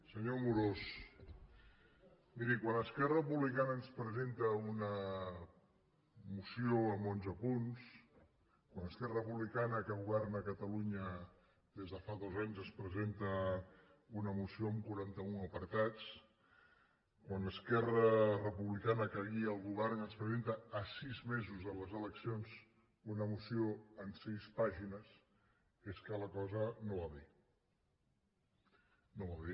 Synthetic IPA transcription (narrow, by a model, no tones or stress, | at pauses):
səɲomuɾos | miɾikwanəskɛrəpuβlikanəːnspɾəzent̪əunə | musioəmonzəpuns | kwanəskɛrəəpuβlikanəkəɣuβɛrnəkət̪əluɲə | d̪ezðəfaðozaɲzəspɾəzent̪ə | unəmusioəmkuɾant̪əuəpəɾt̪at͡s | kwanəskɛrərəpuβlikanəkəɣiəːlˠɣuβɛrnəspɾəzent̪əːsizmezuzənləzələksionz | unəmusioənsispaʒinəs | eskələkɔzənoβaði | noβaði